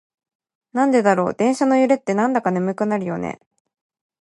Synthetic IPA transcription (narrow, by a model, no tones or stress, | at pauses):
nãnd̪e̞d̪aɾo̞̰ːd̪̥ẽ̞ɰ̃ɕano̞jɯ̟ɾe̞t̪ːe̞nãnd̪akanemɯ̟kɯnaɾɯ̟jo̞nḛ